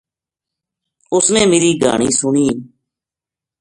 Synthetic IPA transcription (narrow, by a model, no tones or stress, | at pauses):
ʊsnẽːmeːɾiːɡʱa̰ːɳiːsʊɳiː